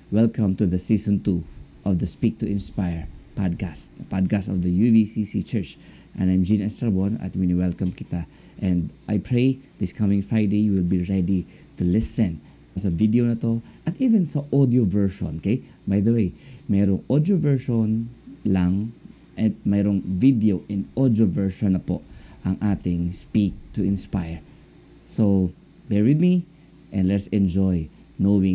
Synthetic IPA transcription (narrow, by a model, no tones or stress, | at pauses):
wɛlkɐ̃mt̪uðɐsisɔ̃nt̪uʔɔvd̪ɐspik̚t̪ʊʔɪ̃nspajɹpad̪̚kast̪pad̪̚kast̪ɔvd̪ɐjuvisisit͡ʃɛɹt͡ʃ | ʔɛ̰̃najmd͡ʒĩnɛst̪ɹabɔnɐ̰t̪̚winiwɛlkɐmkɪt̪a | ʔɛ̃nd̪ʔajpʰɹejd̪ɪskʰamɪ̃ŋfɹajd̪ejjuwɪlbiɹɛd̪i | t̪ulɪsɛ̃n | sɐvid̪ionɐt̪oʔɐt̪ivɛnsɐʔod̪iovɛɹʃõ̰nkej | bajd̪ɐwejmɛɾoŋʔod̪jovɛɹʃonlɐŋ | ʔɛt̪̚mɛɾoŋvid̪ɛoʔɛnʔod̪jovɛɹʃonːɐpoʔʔɐŋʔaːt̪ɪŋspik̚t̪ʊɪ̃nspajɹ | so | bɛɹwɪd̪mi | ʔɛnd̪lɛt̪sɛ̃nd͡ʒoj | nowɪ̃